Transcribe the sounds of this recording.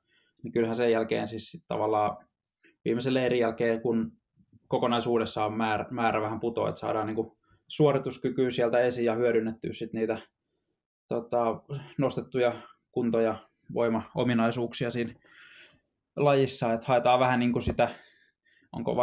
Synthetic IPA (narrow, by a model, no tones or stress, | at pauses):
nikylhæsejjælkḛːnsissit̪t̪ɑ̰ʋɑlːɑː | ʋḭːmeselːeerijælkeːkun | kokonɑisuːdesːɑommæːrmæːɾæʋæhæmput̪o̰ḛt̪sɑ̰ːdɑːnniːŋku | suorit̪uskykyːsiælt̪æesijjɑhyøɾynːet̪ːy̰ːssit̪niːt̪æ | t̪ot̪ɑnost̪et̪ːujɑkunt̪ojɑ | ʋo̰imɑo̰minɑisuːksiɑsiːn | lɑjisːɑːet̪hɑet̪ɑːʋæhæniːŋkusit̪æ | o̰ŋko̰ʋ